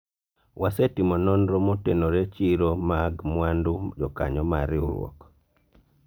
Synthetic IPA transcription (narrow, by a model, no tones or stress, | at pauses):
wasetimɔnɔnɾɔmɔtenoɾet͡ʃiɾomaɡmwandud͡ʒɔka̰ɲɔmaɾɪuɾwɔ̰k